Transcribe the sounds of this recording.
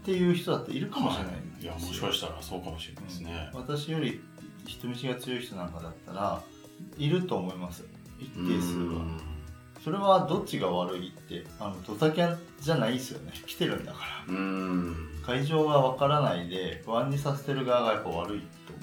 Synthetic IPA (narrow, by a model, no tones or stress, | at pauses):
t̪e̞jɯ̟ːçi̥t̪o̞d̪at̪ːeiɾɯ̟kamoɕiɾenaḭ̃nd̪ejasmoɕi̥kaɕi̥t̪aɾa̰so̞ːkamoɕinaɯ̃ːsneβat̪aɕijo̞ɾʲi | çi̥t̪omiɕiɡat͡sɨjo̞içi̥t̪o̞nãŋkad̪at̪ːaɾa | iɾɯ̟t̪o̞ːmo̞imasɨ̥ | it̪ːeːsɨɾɯ̟ɡa̰ | so̞ɾe̞βad̪o̞t͡ɕːiɡaβaɾɯ̟it̪ːe̞ano̞d̪o̞t̪akʲea | d͡ʑanaisɨjo̞̰ne̞kʲi̥t̪e̞ɾɯ̟̃nd̪akḁɾa | kaiʑo̞ːɡaβakaɾanaid̪e̞ɸɯ̟βãɲ̟ːisase̞̥t̪e̞ɾɯ̟ɡaːɡajapːaβ̞aɾɯ̟it̪ːo